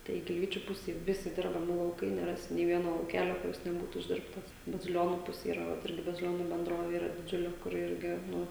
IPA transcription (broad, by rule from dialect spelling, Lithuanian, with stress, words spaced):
tɐɪ ɡʲɪlʲˈʋʲiːt͡ʃʲʊ ˈpʊsʲeːj ˈʋʲɪsʲɪ ˈdʲɪrbɐmʲɪ lˠɐʊˈkɐɪ nʲɛˈrɑːsʲɪ nʲeː ˈʋʲiɛnoː lˠɐʊˈkʲæːlʲoː kʊˈrʲɪs nʲɛˈbuːtʊ ɪʒʲˈdʲɪrptɐs bɐzʲɪˈlʲoːnuː ˈpʊsʲeː iːˈrɐ ˈʋɐt ˈɪrʲɡʲɪ bɐzʲɪˈlʲoːnʊ bʲɛnˈdroːʋʲeː iːˈrɐ dʲɪˈd͡ʒʲʊlʲɪ kʊˈrʲɪ ˈɪrʲɡʲɪ ˈnʊ